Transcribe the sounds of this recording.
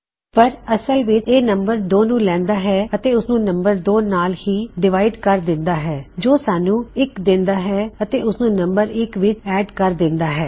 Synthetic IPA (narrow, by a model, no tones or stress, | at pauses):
pəɾəsəlʋɪt͡ʃeːnəmbəɾd̪oːnũːlɛ̃ːnd̪aːɦɛːət̪eːʊsnũːnəmbəɾd̪oːnaːlhiːɖɪʋaːɪɖkəɾd̪ɪ̃nd̪aːɦɛːd͡ʒoːsaːnũːɪkd̪ɪ̃nd̪aːɦɛːət̪eːʊsnũːnəmbəɾɪkʋɪt͡ʃɛːɖkəɾd̪ɪ̃nd̪aːɦɛː